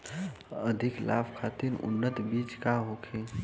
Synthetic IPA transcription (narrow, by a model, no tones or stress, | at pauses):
əd̪ʱikla̰ːbʰkʰat̪iɾʊ̰nːət̪biːt͡ʃkaɦokʰe